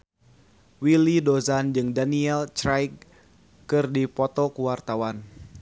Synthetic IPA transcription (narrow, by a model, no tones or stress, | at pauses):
wilidozand͡ʒɨŋdaniɛlt͡ʃɾajk | kɨrdipɔt̪ɔkuwart̪awan